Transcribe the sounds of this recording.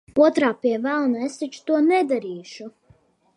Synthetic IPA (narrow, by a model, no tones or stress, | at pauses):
uɔt̪ɾaːpʲiɛvælˠnesit͡ʃt̪uɔnɛd̪aɾiːʃu